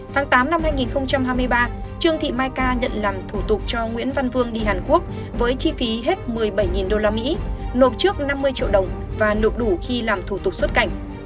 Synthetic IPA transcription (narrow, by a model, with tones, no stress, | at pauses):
t̪ʰaː˨˦ŋt̪aː˨˦mna˧mhaː˧jŋi˨˩nxə˧wŋ͡mt͡ɕa˧mɦaː˧jmɨ˧əjɓaː˧t͡ɕɨ˧əŋt̪ʰḭ˧˨maː˧jkaː˧ɲə̰˧˨nlaː˨˩mt̪ʰu˧˩t̪ʊ˨˩k͡p̚t͡ɕɔ˧ŋwḭ˧˥ənva˧nvɨ˧əŋɗi˧ɦaː˨˩nku˦˥ək̚ | vəː˨˦jt͡ɕi˧fi˨˦ɦe˦˥t̚mɨ˨˩əjɓə˧˩jŋi˨˩nɗo˧laː˧mḭ˧˥no˨˩p̚t͡ɕɨ˦˥ək̚na˧mːɨ˧əjt͡ɕḭ˧˨əwɗə˨˩wŋ͡m | vaː˨˩no̰˧˨jɗu˧˩xi˧laː˨˩mt̪ʰu˧˩t̪ʊ˨˩k͡p̚swə˦˥t̚ka˧˩jŋ̟